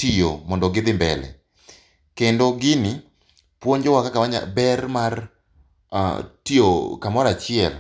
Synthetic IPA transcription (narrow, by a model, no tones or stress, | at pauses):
tijomɔndɔɡɪd̪ɪmbɛlɛ̰ | kendoɡɪnɪ | pwoɲd͡ʒɔwakakawaɲa̰bɛrmar̰ | tiokamɔɾat͡ʃɪɛl